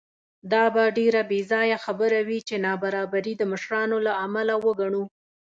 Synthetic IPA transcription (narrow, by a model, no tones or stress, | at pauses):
d̪ɑbaɖeɾabezɑjaxabəɾawit͡ʃenɑbaɾɑbaɾid̪əməʃɾɑnolaamalawəɡaɳu